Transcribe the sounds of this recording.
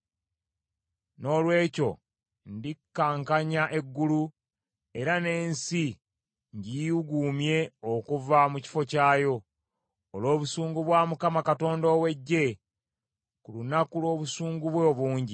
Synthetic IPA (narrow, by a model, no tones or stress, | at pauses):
no̞ːlwe̞ːco̞̰ | ndikːaːŋkaɲaʔe̞ɡːulu | e̞ɾane̞ːnsi | ɲɟijiuɡuːmje̞okuvamuci̥fo̞caːjo̞ː | lo̞ːβusuːŋɡuβwaːmukamakato̞ːndoːwe̞ɟːe̞ | kulunakulwo̞ːβusuːŋɡuβweoβuːɲɟi